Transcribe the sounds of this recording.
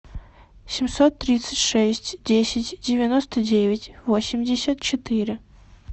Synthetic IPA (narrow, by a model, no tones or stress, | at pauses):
sʲɪmʲsot̪ːɾʲit̪sɨ̥tʲʂɛsʲtʲdʲesʲɪtʲdʲɪvʲɪnost̪ədʲevʲɪtʲvosʲɪmʲdʲɪsʲət̪̚t͡ɕɪt̪ɨɾʲɪ